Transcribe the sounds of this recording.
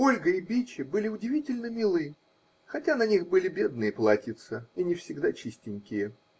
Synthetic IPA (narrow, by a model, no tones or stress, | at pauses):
o̞lʲɡəɪbʲit͡ɕɪbɨlʲɪʊdʲɪvʲitʲɪlʲnəmʲɪlˠɨ | xɐtʲanɐnʲixbɨlʲɪbʲe̞d̪nɨjəplˠatʲɪt̪səinʲɪfsʲɪɡd̪at͡ɕisʲtʲɪnʲkʲɪjə